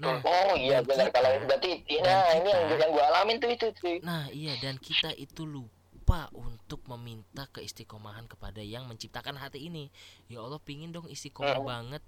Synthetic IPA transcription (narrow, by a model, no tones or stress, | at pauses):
naɔijabənarkalaiuɡat̪it̪inainijaŋjaŋɡuaalamɪnt̪uit̪ut̪inahijadankit̪aʔit̪ulu | paʔunt̪ʊk̚məmint̪akəist̪ikomaɦankə̥padajaŋməɲt͡ʃip̚t̪akanɦat̪iːnijaolɔhpiŋɪndɔŋist̪ikomabaŋət̪̚